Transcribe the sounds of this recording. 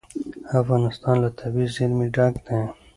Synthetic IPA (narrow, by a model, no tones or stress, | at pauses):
afɣɑːnɪst̪ɑ̃ːnlat̪ʰabizzilmiɖãːkd̪ẽ